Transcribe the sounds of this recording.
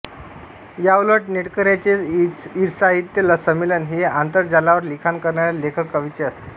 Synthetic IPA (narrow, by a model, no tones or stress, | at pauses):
jauləʈneʈkəɾjat͡seiɾsaɦit̪ːəlasəmelənɦeant̪əɾd͡ʑalaʋəɾlikʰankəɾɳaɾjalekʰəkːaʋit͡ɕeəst̪e̥